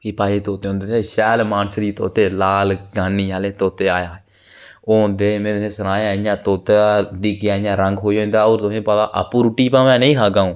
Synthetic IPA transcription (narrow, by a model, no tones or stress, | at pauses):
kipaːiːt̪oːt̪eːõnd̪eːʃɛːlmaːnsɾiːt̪oːt̪eːlaːlɡaːniːaːleːt̪oːt̪eːaːjaː | oːɦõnd̪eːmɛ̃ːt̪ʊsẽːsənaːaːjãːt̪oːt̪ed̪iːkɪjaːjãːɾəŋɡɦoːiõːnd̪aːoːɾt̪ʊsẽːpad̪a̰ːʔa̰pũːɾuːʈiːpãːmɛ̃ːnəĩːkaːɡãːõː